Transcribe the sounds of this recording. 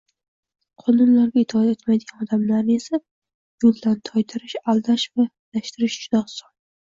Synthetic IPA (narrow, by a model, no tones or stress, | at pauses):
qʰɒnɪnlaɾɡʲaet̪ʰɒt̪et̪majd̪ɪɡʲanɒd̪amlaɾnɪesa | jolˠd̪ant̪ʰɒjt̪ʰɪɾɪʃalˠd̪aʃva | l̥aʃt̪ɪɾɪʃd͡ʒʊd̪ɒsɒn